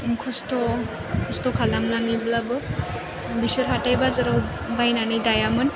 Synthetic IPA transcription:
kʰɔstɔ | kʰɔstɔkʰalamnaniblabɯ | bisɯɾɦatajbazɯɾaw | bajnanɯjdajamɯn

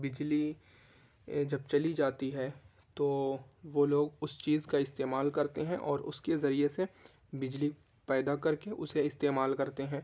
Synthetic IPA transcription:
bɪd͡ʒli | d͡ʒɐbt͡ʃɐlid͡ʒaːt̪iɦɛː | t̪oːʋoːloːɡʊst͡ʃiːzkaɪst̪eːmaːlkɐɾt̪eɦɛ̃ʔɔːɾʊ̰skezɐɾiese | bɪd͡ʒli | pɛːd̪akɐɾkeʔʊseɪst̪eːmaːlkɐɾt̪eɦɛ̃ː

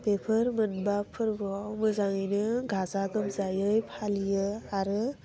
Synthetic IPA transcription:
pepʰɯɾmɯnbapʰɯɾbuawmɯzaŋijnɯɡʱazaɡɯmzajɯjpʰalijɯaɾɯ

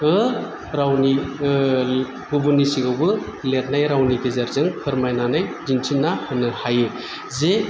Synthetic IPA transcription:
ɯ | ɾawni | bubunisiɡawbɯ | let̚najɾawniɡezaɾzɯŋhʰɯɾmajnanajdintʰinːahɯnɯhajɯ | ze

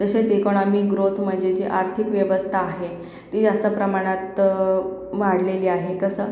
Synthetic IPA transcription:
t̪əɕet͡sekoɽ̃amiɡɾot̪ʰm̤əɳd͡zed͡ʑeʔaɾt̪ʰikʋjəʋəst̪ʰaːɦe | t̪iːd͡zast̪əpɾəmaɽ̃at̪ | ʋaɽleliːaɦekəsəː

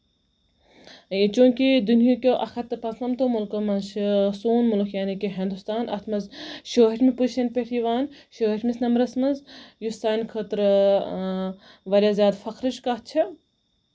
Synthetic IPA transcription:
t͡ʃũːkid̪unjokʲoːʔɐxʰɐt̪ːɐpɐsnɐmt̪oːmulkɐmɐnʃsuːnmulkʰjaːnikiɦẽnd̪ust̪aːnʔɐ̰t̪ʰmɐzʃoːɦɐʈmipuʃɐnpeʈʰiʋaːnʃoːɦeʈʲmisnɐmɾɐsmɐnzjusaːnʲkʰɐt̪ɾ | ʋɐlʲaːzʲaːd̪fɐkɾɨʃkɐt͡ʃʰɐ

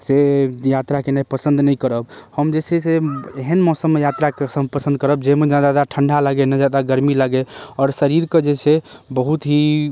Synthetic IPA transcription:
sejat̪ɾakenapəsə̃nd̪nəjkəɾəbhəmd͡ʒet͡ʃʰeseeɦənmɔsəmːejat̪ɾakesəmpəsə̃nd̪̚kəɾəb̚d͡ʒemed͡ʒad̪ad̪aʈʰəɳɖʱaləɡenəd͡ʒad̪aɡəɾmiləɡeɔːɾsəɾiɾked͡ʒet͡ʃʰebəɦut̪ɦi

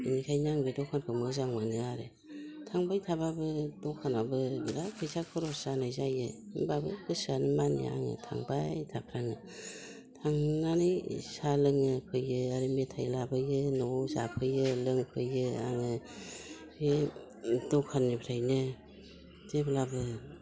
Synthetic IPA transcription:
inikʰajnaŋbɯdɔkʰanpʰɯmɯzaŋmanɯaɾe | tʰaŋbajtʰababɯdɔkʰanabɯbiɾakʰɯjsʰakʰɯɾɔsanajzajɯimbabɯkɯsanɯmanḭa̰ŋɯ̰tʰa̰ŋbajtʰapʰɾaŋɯ | tʰaŋnanɯjsalɯŋɯpʰɯjɯaɾemetʰajlabɯjɯnɔzapʰɯjɯlɯŋpʰɯjɯa̰ŋɯ | be | dɔkʰanːipʰɾajnɯ | deblabɯ

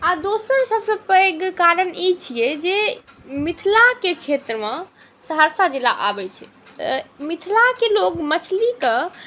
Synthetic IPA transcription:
ad̪osəɾsəbsə̃pəɡkaɾənit͡ʃʰijɛd͡ʒe | mit̪ʰlaket͡ʃʰet̪ɾəmẽ | səɦəɾsad͡ʒila̰ʔa̰bɛt͡ʃʰɛ | t̪ə̰mit̪ʰlakelokmət͡ʃʰlikə̃

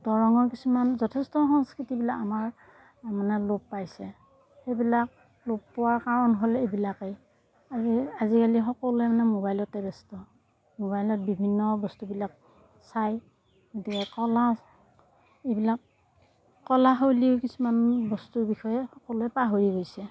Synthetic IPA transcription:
dɔɹɔŋɔɹkisumanzɔtʰɛstɔxɔŋskɹitibilakamaɹ | manɛlopːajsɛ | xebilak̚ | lopːɔwaɹkaɹɔnɦolejbilakej | aiazikalixɔkɔluɛmanɛmobajlɔtɛbɛstɔ | moβajlɔt̚bibʱinːɔbɔstubilak̚ | saj | ɡotikɛkɔla | ejbilakː | ɔlaɦoliʊkisumanbɔstuɹbixɔjɛxɔkɔlʊɛpaɦoɹiɡojsɛ

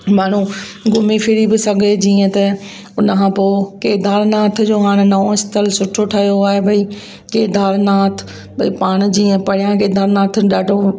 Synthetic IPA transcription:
maːɽ̤ũ | ɡʊmifʰɪɽibɪsɐɡʱed͡ʑiːə̃t̪ɐ | ʊnəkʰãːpoːkeːd̪aːɾnaːt̪ʰd͡ʑoːɦaːɽ̃nɐõɪst̪əlsʊʈʰoʈʰɐɦijoaːɦebʱɐi | keːd̪aːlnaːt̪ʰ | bʱɐipaːɽ̃̆d͡ʑiːə̃pɐɽɪjãkeːd̪ʱaːɾnaːt̪ʰɗaːɖʱo

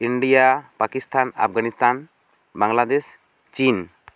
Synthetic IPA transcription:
iɳɖijapakist̪ʰana̰pʰɡanist̪ʰan | baŋlad̪es | t͡ʃin

